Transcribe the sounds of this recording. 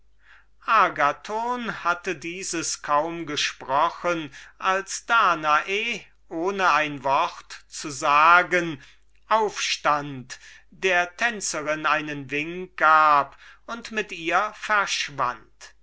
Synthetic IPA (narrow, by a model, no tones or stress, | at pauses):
ʔaːɡatʰoːnhatədiːzəskʰaʊmɡəʃpʁ̥ɔχənʔalsd̥aːnaʔe | ʔoːnəaɪnvɔʁtt͡suzaːɡən | ʔaʊfʃtant | d̥eːɐtʰɛnt͡səʁɪnaɪnənvɪŋk̚ɡ̥aːpʊntmɪtiːɐfɛɐʃv̥a̰nt